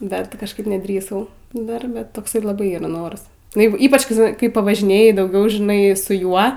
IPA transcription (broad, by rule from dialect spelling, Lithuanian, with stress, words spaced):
ˈdɐr ˈtʲɪ kɐʃˈkɐɪp nʲɛˈdʲrʲiːsɐʊ ˈdɐrʲbʲɛ ˈtoːks lˠɐˈbɐɪ ˈiːrɐ ˈnoːrɐs nʊ ˈjɛɪɡʊ ˈiːpɐt͡ʃ kɐɪ ˈʒʲɪ kɐɪ pɐʋɐʒʲɪˈnʲeːjɪ dɐʊˈɡʲɛʊ ʒʲɪˈnɐɪ sʊ ˈjuɔ